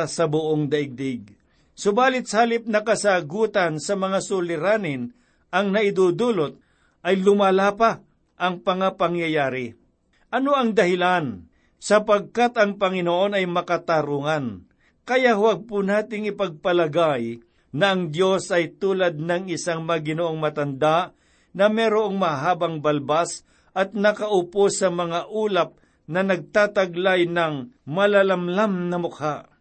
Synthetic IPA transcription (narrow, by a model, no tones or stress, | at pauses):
sɐbʊʔoŋd̪ɐʔɪɡ̚d̪ɪɡ̚ | sʊbaːlɪt̪̚saːlɪp̚nɐkɐsaɡuːt̪ɐnsɐmɐŋasʊlɪɾaːnɪn | ʔɐŋnɐʔɪd̪uːd̪uːlot̪̚ | ʔɐjlʊmaːlaːpa | ʔɐŋpɐŋapɐŋjɐjaːɾɪ | ʔɐnoɐŋd̪ɐhɪlan | sɐpɐɡ̚kat̪ɐŋpɐŋɪnoʔo̞nɐjmɐkɐt̪aɾuŋan | kɐjaʔhwaɡ̚pʊnaːt̪ɪŋɪpɐɡ̚pɐlɐɡaj | nɐʔɐŋd̪jo̞sɐjt̪uːlɐd̪̚nɐŋɪsaŋmɐɡɪnoʔoŋmɐt̪ɐnd̪aʔ | nɐmɛːɾoʔoŋmɐɦaːbɐŋbɐlbas | ʔɐt̪̚nɐkɐʔʊposːɐmɐŋaʔuːlɐp̚ | nɐnɐɡ̚t̪aːt̪ɐɡlajnɐŋmɐlalɐmlamnɐmʊk̚haʔ